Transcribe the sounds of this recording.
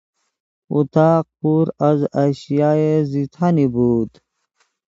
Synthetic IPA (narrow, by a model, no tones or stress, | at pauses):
ṵt̪aːq̚puːɾɐzaɕijaːezit̪ʰanibuːd̪